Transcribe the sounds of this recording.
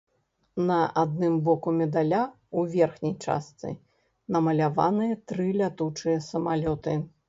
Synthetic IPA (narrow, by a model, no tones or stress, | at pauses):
nɐʔad̪̚nɨmbɔkumʲɛd̪alʲa | uvʲɛrxnʲijt͡ʂa̰st̪sɨ̰ | nɐmɐlʲava̰nɨjɐt̪ɾɨlʲat̪ut͡ʂɨjɐsɐmalʲɔt̪ɨ